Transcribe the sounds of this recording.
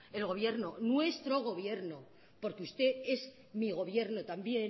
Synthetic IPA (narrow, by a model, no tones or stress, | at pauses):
e̞lɣo̞β̞je̞ɾno̞nwe̞st̪ɾo̞ɣ̞o̞β̞je̞ɾno̞ | po̞ɾkeust̪e̞ez | miɣ̞o̞β̞je̞ɾno̞t̪ambje̞